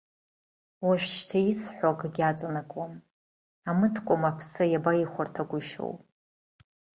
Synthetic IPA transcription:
waʃᶣʷʃtʰajisħʷokʼɡʲat͡sʼanakʼwam | amɨtʰkʷʼʊmapʰsajabajiχʷartʰaɡʷʊʃo̰wpʼ

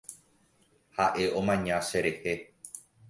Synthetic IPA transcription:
haʔe̞ʔõ̞mãɲãʃe̞ɾe̞he̞

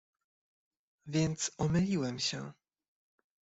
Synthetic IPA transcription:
vʲjɛnt̪sɔmɘlʲiwɛmɕɛ̰

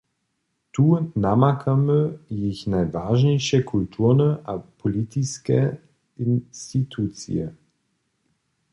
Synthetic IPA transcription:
t̪uːnamakʰaməjɪçnajvaːʒnɛjʃɛkʰult̪ʰuːʁnəʔapʰɔlit̪iskɛ | inst̪it̪ʰuːt͡sḭɛ̰

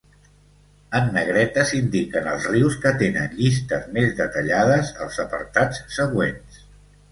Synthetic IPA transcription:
ənːəɣ̞ɾɛt̪əzind̪ikənə̰lˠzriwskət̪enə̰nʎist̪əzmezðət̪əʎað̞əzəlˠzəpə̰ɾt̪at͡sːəɣwens

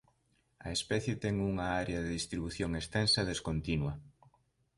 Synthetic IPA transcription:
ɐ̰espɛθjet̪ɛŋuŋɐaɾeɐðeðist̪ɾiβuθjoŋest̪ɛnsɐðeskont̪inwɐ

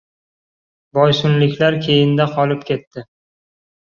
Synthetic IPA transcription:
bɒjsʊnlɪkʲlaɾkʲʰe̞jɪnd̪aqʰɒlɪpkʲʰe̞t̪ːɪ

